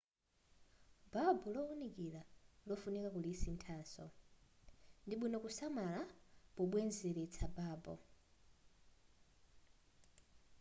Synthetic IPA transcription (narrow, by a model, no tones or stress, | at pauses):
b̥abɔlɔunikilalɔfunɛkakulisintʰaːnsɔ | ndiɓinɔkusamalapɔɓwɛnzɛɾɛt͡sʰabaːbɔ̰